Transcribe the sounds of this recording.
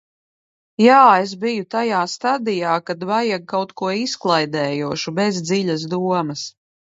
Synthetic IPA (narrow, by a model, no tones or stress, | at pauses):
jaːezbijut̪ajaːst̪ad̪ijaːkad̪vajaɡ̚kːawt̪kuɔisklˠajd̪ɛːjuɔʃubɛzd̪ziʎʲas̬d̪uɔmɐs